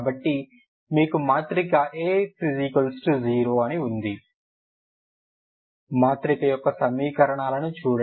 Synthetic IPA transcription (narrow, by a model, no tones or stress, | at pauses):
bɐʈːi | miːkumaːt̪ɾiɡaːʔeːpʰizikɐlsʈuziːɾoːɐniund̪i | maːt̪ɾikɐjɔkːɐsɐmːiːkɐɾɐɳaːlɐnut͡ʃuːɽɐ